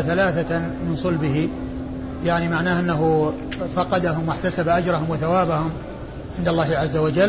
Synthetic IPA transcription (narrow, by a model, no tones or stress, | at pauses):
θalaːθamɪnsˤɑlbɪɦi | jaʕnimaʕnaːhʔɪnːaɦu | fɑqɑd̪aɦʊmwɪħt̪asabaʔad͡ʒɾˤɑhʊmwɪθawaːbahʊm | ʕɪnd̪alˤːɑːhɪʕazːawad͡ʒal